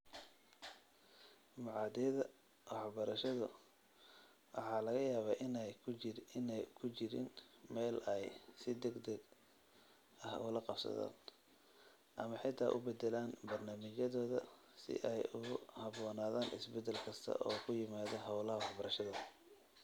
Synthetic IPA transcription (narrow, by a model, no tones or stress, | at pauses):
mʊʕɑːd̪ɛjɐðɐ | wɑħbɐɾɐʃɐðʊ | wʔɑ̰ħɑːlɐɣɐjaːβaːʔɪn | ɪnɛjkʰʊt͡ʃɪɾɪ̰nmɛːlɛjsɪd̪ɛɡd̪ɐɡ | ɐhʊ̰lɐqɑbsɐ̰ða̰ːn | ʔɐmɐħɪt̪ʰa̰ːʔʊbɛd̪ɛlaːnbɐrnaːmɪt͡ʃɐðɔːðɐ | sɪ̰ʔɛjʊhɑβɔːnaːðaːnʔɪ̰sbɛd̪ɛlkʰɐst̪ʰɐ̰ʔɔːkʰʊjɪmaːðɔɦɑwlɐhɐwɑħbɐɾɐʃɐðʊ